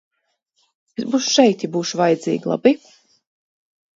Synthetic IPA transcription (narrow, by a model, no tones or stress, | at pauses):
bet̪buʃʃɛjt̪jibuːʃuvajd̪zḭːɡlˠa̰bi